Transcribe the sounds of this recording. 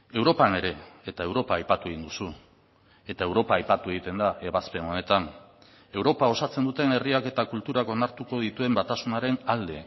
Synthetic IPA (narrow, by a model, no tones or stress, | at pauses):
e̞wɾo̞pane̞ɾe̞et̪ae̞wɾo̞paːjpat̪ue̞ɣind̪usu | e̞t̪ae̞wɾo̞paːjpat̪ue̞ɣit̪e̞nd̪aʔe̞βaspe̞no̞ne̞t̪an | e̞wɾo̞pao̞sat͡se̞nd̪ut̪e̞ne̞riake̞t̪akult̪uɾako̞naɾt̪uko̞ð̞it̪ue̞mbat̪asunaɾe̞nald̪e̞